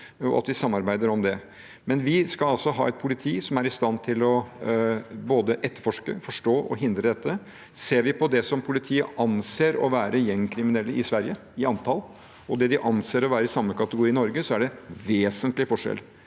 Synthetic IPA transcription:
ɔ̰ʔɑ̰t̪ʋɪsɑmːɑɾbæɪd̪əɾɔmd̪ɛ | mɛnʋɪskɑlɑlsɔɦɑ̰ːɛt̪̚pʰʊlɪt̪ʰiːsɔmæɾɪst̪ɑnt̪ʰɪlɔ | boːd̪əʔɛt̪ːəɾfɔʂkə̰fɔʂʈoːʔɔ̰ɦɪnd̪ɾəd̪ɛt̪ʰːə | seːɾʋɪpʰɔd̪ɛsɔmpʰʊlɪt̪ʰiːəʔɑnseːɾɔ̰ʋæːɾəjɛŋkʰɾɪmɪnɛlːəʔɪsʋæɾjə | ɪɑnt̪ʰɑl | ɔd̪ɛd̪ɪʔɑnseːɾɔʋæːɾəɾɪsɑmːəkʰɑt̪əɡʊɾiːnɔɾɡəsɔæɖɛʋeːsənt̪lɪfɔʂɛ̰l

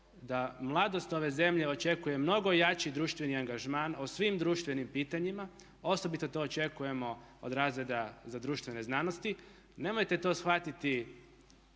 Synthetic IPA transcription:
d̪amlˠad̪o̞st̪o̞ʋe̞ze̞mʎe̞o̞t͡ʃe̞kuje̞mno̞ɡo̞ijat͡ʃid̪ɾuːʃt̪ʋe̞niaŋɡaʒmaːnosʋimd̪ɾuːʃt̪ʋe̞nimpiːt̪aɲima | o̞so̞bit̪o̞t̪o̞ːt͡ʃe̞kuje̞mo̞ | od̪ɾaːzɾe̞d̪azad̪ɾuːʃt̪ʋe̞ne̞znano̞st̪i | ne̞mojt̪e̞t̪o̞sxʋat̪it̪i

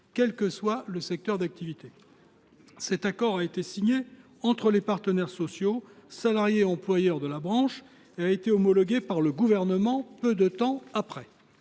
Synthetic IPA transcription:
kʲɛlkəswaləsɛk̚t̪œʁd̪ak̚t̪ivit̪e | sɛt̪akɔʁaet̪esiɲe | ɑ̃t̪χəlepaʁt̪ənɛʁsɔsjosalaʁjeɑ̃plwajœʁd̪əlabʁɑ̃ʃ | eaet̪eɔmɔlɔɡʲepaʁləɡuvɛʁnəmɑ̃pød̪ət̪ɑ̃apχɛ

